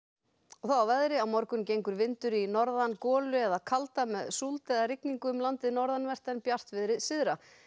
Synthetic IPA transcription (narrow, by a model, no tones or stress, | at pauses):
ɔɣθawawvɛðɾɪawmɔɾkʏmcejŋkʏɾvɪnt̪ʏɾinɔɾðankɔːlʏɛðakʰalt̪amɛðsult̪ɛðarɪkniŋkʏʏmlant̪ɪðnɔɾðanvɛr̥t̪ɛnpjar̥t̪vɪðɾɪsɪðɾa